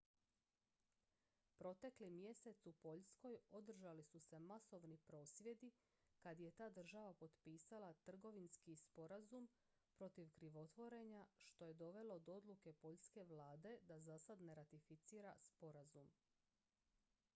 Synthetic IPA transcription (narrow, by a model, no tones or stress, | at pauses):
pɾo̞t̪e̞klimje̞se̞t̪supo̞ʎsko̞jo̞d̪r̩ʒalisuse̞maso̞ʋnipɾo̞ːsʋje̞d̪i | kad̪je̞t̪aːd̪r̩ʒaʋapo̞d̪piːsalat̪r̩ɡo̞ʋinskispo̞ɾazum | pɾo̞t̪iʋkɾiʋo̞t̪ʋo̞ɾe̞ɲaʃt̪o̞je̞d̪o̞ʋe̞lo̞d̪o̞d̪luke̞po̞ʎske̞ʋlaːd̪e̞d̪azasad̪ne̞ɾat̪ifit̪siːɾaspo̞ɾazum